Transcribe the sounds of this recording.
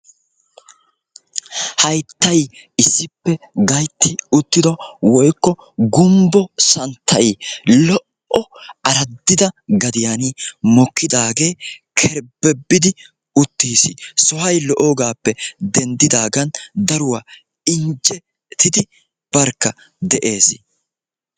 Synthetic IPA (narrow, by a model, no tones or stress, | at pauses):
hɐjt̪ːɐjɪsːɪpːɛɡɐjt̪ːɪʊt̪ːɪd̪ɔwɔjkːɔ | ɡʊmbɔsɐnt̪ʰːɐjlɔʔ | ɔɐɾɐd̪ːɪd̪ɐɡɐd̪ɪjanimɔkːɪd̪aːɡe̞ːkʰɛɾbɛbːɪd̪ɪ | ʊt̪ːiːsɪsɔhɐjlɔʔoːɡaːpːɛd̪ɛnd̪ɪd̪aːɡɐnd̪ɐɾʊwaː | ɪnd͡ʒɛ | t̪ɪd̪ɪ | b̥ɐɾkːɐ | d̪ɛʔe̞ːs